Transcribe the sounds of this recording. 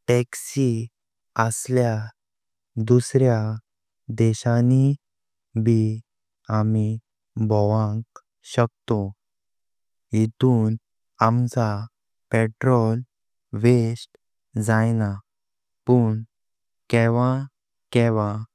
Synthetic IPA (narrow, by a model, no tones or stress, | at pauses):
ʈɛksi | əslja | d̪usɾja | d̪ɛɕani | bʱi | ami | bʱɔʋãŋk | ɕəkt̪o | ɦit̪uːn | amd͡za | peʈɾɔl | ʋesʈ | d͡zajna | puːɳ | kɛʋã | kɛʋã